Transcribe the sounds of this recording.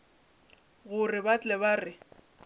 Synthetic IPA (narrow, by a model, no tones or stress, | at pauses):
ɣʊrɪbat͡ɬʼɛβarɪ